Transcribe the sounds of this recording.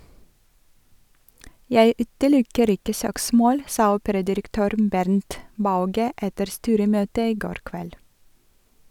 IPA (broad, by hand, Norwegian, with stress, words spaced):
ˈjæɪ ˈʉːtəˌlʊkəɾ ˈɪkə ˈsøːkˌsmoːl ˈsɑː ˈuːpəɾɑdɪɾəkˌtøːɾ ˈbæɾnt ˈbɑʉɡə ˈɛtəɾ ˈstyːɾəˌmøːtə ˈiː ˈɡoːɾ ˈkʋɛl